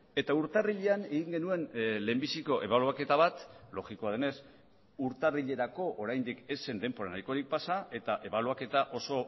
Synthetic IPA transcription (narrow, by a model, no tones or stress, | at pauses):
e̞t̪auɾt̪ariʎeane̞ɣiŋɡe̞nue̞nle̞mbisiko̞ʔe̞βaluake̞t̪aβat̪lo̞ɣiko̞að̞e̞ne̞s | uɾt̪ariʎe̞ɾako̞ʔoɾajnd̪ike̞se̞nd̪e̞mpo̞ɾanajko̞ɾik̚pasae̞t̪aʔe̞βaluake̞t̪aʔo̞so̞